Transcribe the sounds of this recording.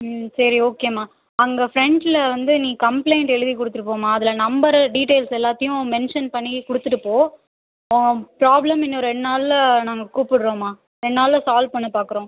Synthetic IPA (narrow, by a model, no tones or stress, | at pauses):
sɐɾioːkeːmaː | ɐŋɡɐfɾɛɳɖɪlɐʋɐnd̪ɯnĩːkɐmpleɪɳʈɛɻɯðikʊɽɯt̪ːɯɾɯpːoːmaːɐðɪlɐnɐmbɐɾɐɖiːʈeːlsɛlːaːt̪ːɐjʊ̃mɛnʂɐnpɐɳːikʊɽɯt̪ːɯʈɯpːoː | ɐŋɡɐpɾaːblɐmɪnːoːɾɛɳːnaːllɐnaːŋɡɐkuːpɪɽɾõːmaː | ɾɛɳːnaːlːɐsaːlpɐɳːɯpaːkɯɾõː